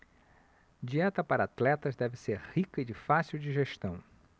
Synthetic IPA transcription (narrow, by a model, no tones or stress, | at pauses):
d͡ʒiɛt̪ɐpaɾɐat̪lɛt̪ɐzd̪ɛvɪseɾhikɐɪd͡ʒɪfasiwd͡ʒɪʒeʃt̪ɐ̃w̃